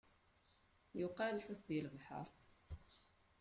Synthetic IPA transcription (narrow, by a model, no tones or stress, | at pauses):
jʊqɑlfæsd̪ilvħə̰ɾˤθ